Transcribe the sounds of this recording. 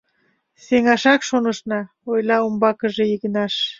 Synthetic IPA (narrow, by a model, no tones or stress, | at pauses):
seŋɑʃɑkʃonəʃnɑ | ojlɑumbɑkəʒeiɣənɑʃ